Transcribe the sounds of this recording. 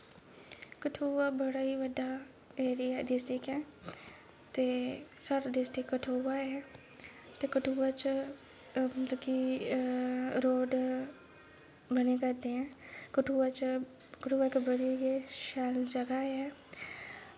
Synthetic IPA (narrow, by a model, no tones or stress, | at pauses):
kəʈʰuːʋabəɽaɦiʋəɖa | eːɾijaɖɪsʈɾɪkɦɛ̃ː | t̪esɐɾɖɪsʈɪkːəʈʰoːʋaɦɛ | t̪ekəʈʰuʋat͡ʃ | t̪ki | ɾoːɖ | bənekəɾt̪eɦɛ̃ːkəʈʰuːʋat͡ʃ | kəʈʰuːʋakbəɽieʃaːld͡ʒɐɡaɦɛː